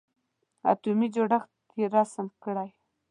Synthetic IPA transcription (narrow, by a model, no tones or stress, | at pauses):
a̰t̪umid͡ʒoɽax | eɾasəmkəɽaj